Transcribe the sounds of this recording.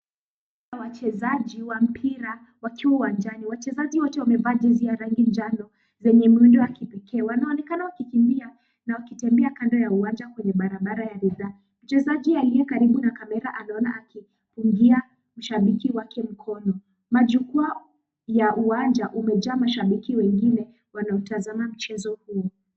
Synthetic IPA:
awat͡ʃɛzaʄiwam̩pʰiɾa | wakiwauwand͡ʒaniwat͡ʃɛzaʄiwɔtɛwamɛvaːd͡ʒɛziaɾaŋɡind͡ʒanɔ | zɛɲɛmiundɔjakipɛkɛːwanaɔnɛkanawakikimbia | nawakitɛmbɛakandɔjauwand͡ʒakwɛɲɛɓaɾaɓaɾajaɾɛðaː | m̩t͡ʃɛzaʄialijɛkaɾiɓunakamɛɾaʔanaɔna̰ʔaki | puŋɡia | m̩ʃaɓikiwakʰɛm̩kʰɔnɔ | maʄukua | jaʔuwand͡ʒaʔumɛd͡ʒaːmaʃaɓikiwɛŋɡinɛ | wanaɔtazamam̩t͡ʃɛzɔhuɔ

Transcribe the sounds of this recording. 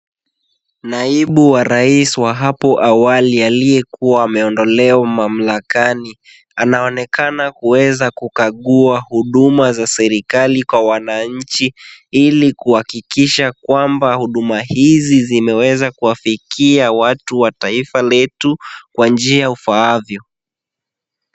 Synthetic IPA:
naiɓuwaɾaiswaɦapɔʔawalialijɛkuaːmɛɔndɔlɛamam̩lakani | anaɔnɛkanakuwɛzakukaɠuahuɗumazasɛɾikalikwawanaɲ̩t͡ʃiilikuhakikiʃakwambahuɗumahizizimɛwɛzakuwafikiawatuwataifalɛtukwand͡ʒiaaufaavjɔ

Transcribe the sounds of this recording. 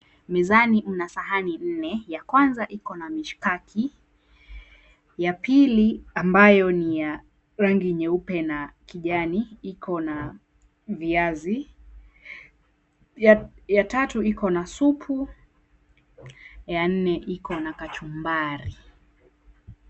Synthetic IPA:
mɛzanim̩nasaɦanin̩nɛjakwanzaʔikɔnamiʃkakʰi | japʰiliambajɔnija | ɾaŋɡiɲɛupɛnakiʄaniikʰɔna | viazi | jajatatuikɔnasupʰu | jan̩nɛʔikɔnakat͡ʃumbaɾi

